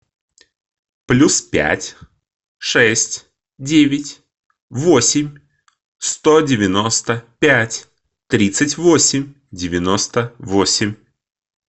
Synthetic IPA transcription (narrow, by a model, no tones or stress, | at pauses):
plʲuspʲæ̰tʲ | ʂɛsʲtʲ | dʲevʲɪtʲ | vo̞sʲɪmʲ | st̪o̞dʲɪvʲɪno̞st̪əpʲætʲ | t̪ɾʲit̪sɨtʲvo̞sʲɪmʲ | dʲɪvʲɪno̞st̪əvosʲɪmʲ